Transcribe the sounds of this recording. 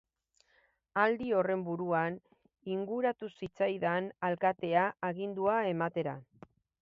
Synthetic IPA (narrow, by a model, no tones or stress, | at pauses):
ald̪io̞re̞mbuɾuan | iŋɡuɾat̪usit͡sajðanalkat̪e̞aːɣind̪uae̞mat̪e̞ɾa